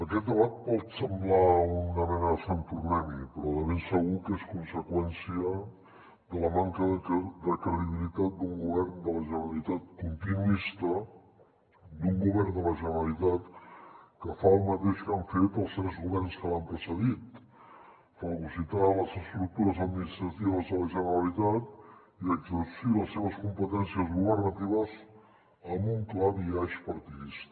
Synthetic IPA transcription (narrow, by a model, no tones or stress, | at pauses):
əkɛt̪̚d̪əβat̪̚pɔt̪səmblaunəmɛnəsanpɾuβɛmipɾɔðəβensəɣukeskunsəkwɛnsiə | ðələmaŋkəðd̪əkɾəðiβilit̪at̪̚d̪uŋɡuβɛɾnd̪ələʒənəɾəlit̪at̪̚kunt̪inuist̪ə | d̪uŋɡuβɛrnd̪ələʒənəɾəlit̪at̪kəfaəlˠmət̪eʃkaɱfet̪əlˠst̪ɾɛzɣuβɛrnskəlampɾəsəðit̪ | fəlɣusit̪aləzəst̪ɾuk̚t̪uɾəzəd̪̚minist̪ɾət̪iβəzðələʒənəɾəlit̪at̪ | iəɡzəsiðəsːeβ̞əskumpət̪ɛnsiəzɣuβ̞ərnət̪iβ̞əz | əmuŋklaðiaʃpəɾt̪iðist̪